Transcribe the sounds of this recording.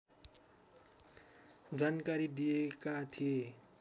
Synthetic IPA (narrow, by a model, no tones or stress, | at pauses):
d͡zankaɾid̪ijekat̪ʰije